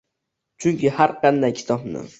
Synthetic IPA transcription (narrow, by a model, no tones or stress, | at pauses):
t͡ʃʰʊŋkʲɪhaɾqʰɑnd̪ajkʲʰɪ̥t̪ʰɒpnɪ̰